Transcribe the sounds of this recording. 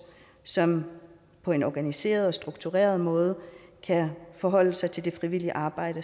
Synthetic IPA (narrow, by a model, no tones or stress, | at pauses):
sɒ̽m | pʰɒ̽e̝nɒɡ̥ænise̝̰ːɐð̞̩ˠɒ̽sd̥ʁuɡ̥̚t͡sʰuʁɛ̰ːɐð̞ˠmɔ̽ːð̞ˠəkʰæfɒ̽ɦɒ̽l̰əsɑ̈ɪt͡sʰe̝ld̥e̝fʁiʋil̰iəʔɑ̈ːb̥ɑ̈ɪ̰ɾ̥ə